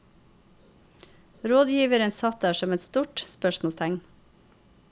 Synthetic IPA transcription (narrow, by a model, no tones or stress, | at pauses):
ɾoːd̪jiːʋəɾənsɑt̪æːʃɔmɛt̪st̪uːʈspœʃmɔst̪ʰæŋn